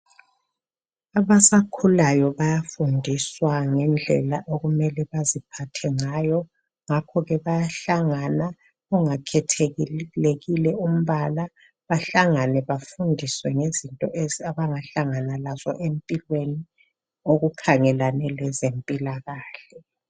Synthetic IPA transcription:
aβasakʰulajɔβajafundʱiswaŋɛnd͡ɮʱɛlaʔoɣumɛlɛβazipʰatʰɛŋajɔ | ŋakʰɔɣɛβajaɬaŋana | uŋakʰɛtʰeɣileɣilɛum̩βala | βaɬaŋanɛβafundʱiswɛŋezintʼɔʔeziaβaŋaɬaŋanalazɔ̰ʔempʼilweni | oɣukʰaŋɛlanɛlɛzempʼilaɣaːɬɛ

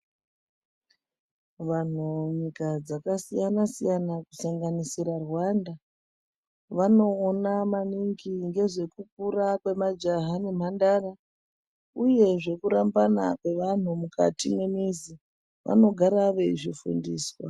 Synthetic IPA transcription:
ʋan̤uɲikad͡zakasijanasijanakusaŋɡanisirarwanda | ʋano̞ːnamaniŋɡiŋɡe̞ʐe̞kup̚uɾakwe̞mad͡ʒaɦane̞m̤andara | uje̞ʐe̞kuɾambana̰kwe̞ʋan̤umuka̰time̞mizi | ʋʔa̰no̞ɡʱaɾaʋe̞ʐifṵndḭːswa̰

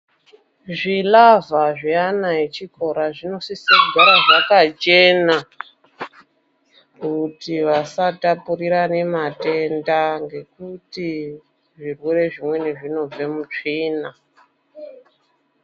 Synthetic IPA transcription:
ʐilavaʐianaet͡ʃiko̞ɾaʐino̞sisakɡʱaɾaʐakat͡ʃe̞na | kutiʋasatapuriɾane̞mate̞ndaŋɡe̞kuti | ʐirwe̞ɾe̞ʐimwe̞ne̞ʐino̞b͡ve̞mut͡ʂina

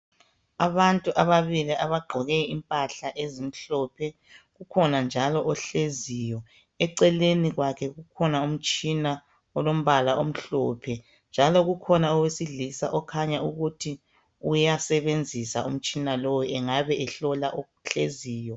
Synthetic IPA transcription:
aβantʼuʔaβaβiliʔaβaɡ͡ǃʱɔɣɛimpʼaɬaʔezim̩ɬɔpʰɛ | ɣukʰɔnand͡ʒʱalɔʔɔɬezijɔ | ɛǀɛleniɣwakʰɛɣukʰɔnaum̩t͡ʃʼina | ɔlom̩βalaʔom̩ɬɔpʰɛ | nd͡ʒʱalɔɣukʰɔnaɔwesiɮisa̰ʔɔkʰaɲauɣutʰi | ujasɛβend͡zʱisaṵm̩t͡ʃʼinalojɔɛŋaβɛɛɬɔlaʔo | ɬeziːjɔ

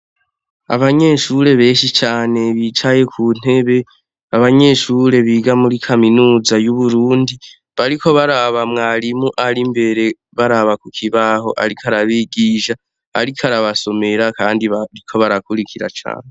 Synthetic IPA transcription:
a̰βaɲe̞ʃuɾe̞βe̞ːʃit͡ʃaːne̞βiːt͡ʃaje̞kʰuːn̥e̞βe̞ | aβaɲe̞ːʃuːɾe̞βiːɡamuɾikʰaminuːzajuβuɾuːndi | βaɾikʰo̞βaɾaβamŋaːɾimuʔaɾimbe̞ɾe̞ | βaɾaβakukʰiβaho̞ʔa̰ɾikʰaɾaβiɡiːʃa | a̰ɾikʰaɾaβaso̞me̞ɾakaːndiaɾikʰo̞βaɾakuɾikʰiɾa̰t͡ʃa̰ːne

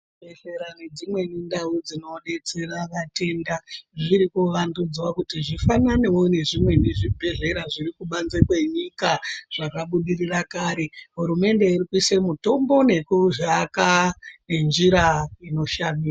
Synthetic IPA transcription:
bʱeɮeɾane̞d͡zimwe̞nindaud͡zino̞ɗe̞t͡se̞raʋate̞ndaʐiɾikuʋandud͡zwakutiʐifanane̞wone̞ʐimwe̞neʐibʱe̞ɮe̞ɾaʐiɾikuɓanzekwe̞ɲikaʐ̥akaɓuɗirirakaːɾe̞ɦuɾume̞nde̞irikuisemuto̞mbo̞ne̞kuʐakane̞nd͡ʒiɾaino̞ʃamiːa

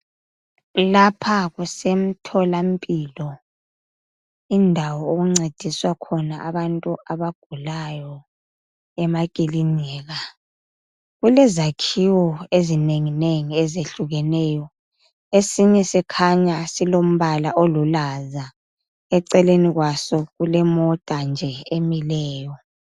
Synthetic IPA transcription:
lapʰaɣusem̩tʰɔlam̩pʼilɔ | indʱawɔoɣuŋ͡ǀed̥ʱiswakʰɔnaʔaβantʼuʔaβaɡ̥ʱulajɔ | ɛmakʼiliɲɛːɣa | ɣulɛzakʰiwɔezineŋineŋiɛzeɬuɣɛnɛːjɔ | esiɲɛsɛkʰaɲasilom̩βalaʔolulaza | ɛǀɛleniɣwasɔɣulɛmɔtʼand͡ʒʱɛemilɛːjɔ

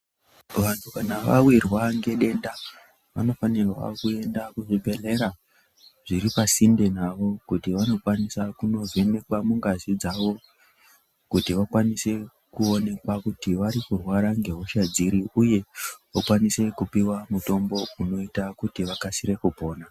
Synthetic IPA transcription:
ʋantʰukanaʋa̰wirwaŋɡe̞ɗe̞nda | ʋa̰no̞fanirwa̰kue̞ndakuʐibʱe̞le̞ɾa | ʐ̥iripasinde̞naʋo̞kutiʋano̞kwanisakuno̞ve̞ne̞kwamuŋɡazid͡zaʋo̞ | kutiʋakwanise̞ | kuo̞ne̞kwakutiʋaɾikurwaɾaŋɡe̞ɦoʃad͡ziɾiuje̞ukwanise̞kupiwamuto̞mbo̞uno̞itakutiʋakasiɾe̞kupo̞ːna

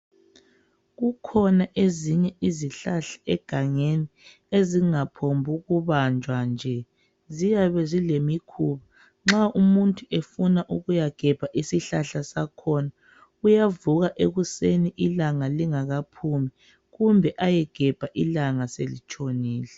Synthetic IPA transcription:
ɣukʰɔnaʔeziɲɛiziɬaɬḁɛɡ̥ʱaŋeni | eziŋapʰombʱuɣuβand͡ʒʱwand͡ʒʱɛ | zijaβɛzilemikʰuβa | ŋ͡ǁaʔumuntʼuʔefunaʔuɣujaɡ̥ʱɛb̥ʱaʔisiɬaɬasakʰɔːna | ujavuɣaʔeɣuseniʔilaŋaliŋaɣapʰumi | ɣumbʱɛʔajɛɡ̥ʱɛb̥ʱaʔilaŋaselit͡ʃʰʼoniːlɛ

